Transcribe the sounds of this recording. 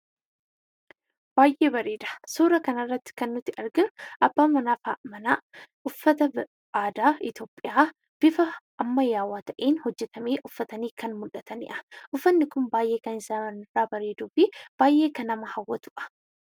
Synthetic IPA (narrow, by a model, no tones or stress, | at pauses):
b̥aːjʔe̞ːbɐɾeːd̪ɐ̥suːɾɐkɐnɐrːɐt̪ːɪ̥kɐnːʊt̪ːɪʔɐɾɡɪnʊʔɐbːaːmɐnaːfamɐnaːʔʊfːɐt̪ɐ | aːd̪aːɪt̪o̞ːpʼːɪjaː | b̥ɪfɐʔːmːɐjaːwːaːt̪ɐʔeːnhɔd͡ʒːɛt̪ʰɐmeːʔʊfːɐt̪ɐniːkɐnmʊlɐt̪ɐnɪ̰ʔɐʔʊfːɐnːɪkʊmbaːjʔe̞ːkɐnɪsaːɐnɪrːaːbɐɾe̞ːd̪uːfɪb̥aːjʔe̞ːkɐnɐmɐhɐwːɐt̪ʊʔɐ̥